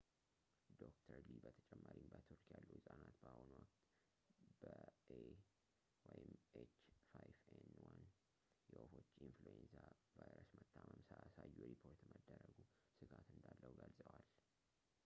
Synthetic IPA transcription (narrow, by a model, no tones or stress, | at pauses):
d̪okt̪ʰəɾlibət̪ʰə̥t͡ʃʼɛmːaɾimbət̪ʰɨɾkjalːuhɨsʼanat̪bəhonwɔkt̪ | bəʔe | wɔjɪmet͡ʃːfajvenwan | jɛʔofo̞t͡ʃːinfluenzavajɾəsmət̪ʰːaməmsəʔasajːuɾipʰo̞ɾt̪məd̪ːəɾəɡu | sɨɡat̪ɨnd̪alːəwɡəlzʼəwal